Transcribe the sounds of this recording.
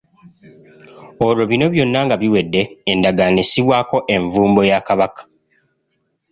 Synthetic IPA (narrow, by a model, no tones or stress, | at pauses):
o̞ɾo̞βino̞βjo̞nːaŋɡaβiwe̞dːe̞ːndaɡanisiβwaːko̞ʔe̞ɱvuːmbo̞jakaβakḁ